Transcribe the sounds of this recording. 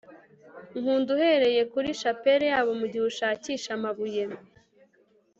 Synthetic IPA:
ŋuːnduhe̞ɾe̞je̞kuɾiʃape̞ɾejaːβo̞muɟihuʃaːciːʃamaβujem

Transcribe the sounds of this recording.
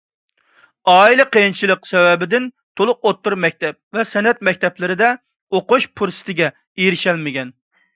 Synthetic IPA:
ɑːilˠɨqejint͡ʃʰilˠəqsɛwɛbɪd̪ɪn | t̪ʰolˠʊqot̪ːuɾmɛk̚ʲt̪ʰɛp̚vɛsɛnɛt̪̚mɛk̚ʲt̪ʰɛplɪɾɪd̪ɛ | oqʊʃpʰuɾsɨ̥t̪ʰɪɡʲɛ | ejɾɪʃɛlmɪɡʲɛn

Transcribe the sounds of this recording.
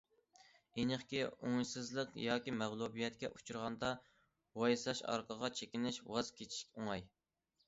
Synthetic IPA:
enəχkʲioŋjsɨzlˠəqjɑːkʲimæʁlˠubijɛt̪̚kʲɛ̰ʔut͡ʃʰuɾʁɑnd̪ɑ | wɑjsɑʃɑ̰ɾqʰəʁɑt͡ʃʰekʲinɪʃwɑz̥kʲʰet͡ʃʰi̥ʃkʲoŋɑj

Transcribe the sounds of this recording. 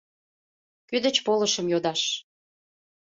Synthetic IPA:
kyd̪ət͡ɕpoləʃəmjod̪ɑʃ

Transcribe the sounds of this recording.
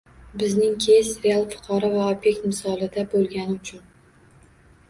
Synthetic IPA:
bɪznɪŋkʲʰesɾealˠfʊ̥qʰɒɾɒvaobje̞k̚ʲt̪mɪsɒlˠɪd̪abolˠɡʲanɪʊt͡ʃʰʊn

